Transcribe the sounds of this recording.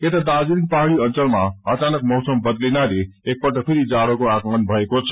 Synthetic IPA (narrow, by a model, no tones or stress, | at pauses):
et̪ad̪ad͡ziɾik̚paɦɽiʌnt͡sʌlmaʌt͡sanʌk̚mʌwsʌmbʌd̪linaleek̚pʌʈʌk̚pʰiɾid͡zaɽokoakmʌnbʱʌekot͡sʰʌ̥